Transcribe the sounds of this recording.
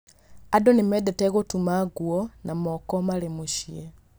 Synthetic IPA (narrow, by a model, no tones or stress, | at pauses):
adonemɛdɛtɛɣotumaɡwɔnʔamɔkɔmalemuʃiɛ